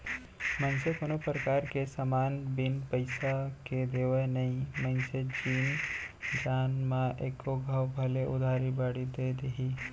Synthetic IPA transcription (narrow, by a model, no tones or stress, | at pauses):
mə̃nsekonopɾəkaːɾkesəmaːnbɪnpəɪsaked̪eːʋənɐɦĩmə̃nsed͡ʒiːnd͡ʒaːnmãʔeːkːoɡʱəwbʱɐleʔʊd̪ʱaːɾibaːɽid̪ed̪eɦi